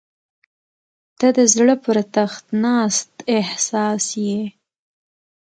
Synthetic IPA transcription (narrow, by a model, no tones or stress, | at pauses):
d̪̥ad̪əzɽəpəɾt̪axt̪nɑst̪ɪhsɑsje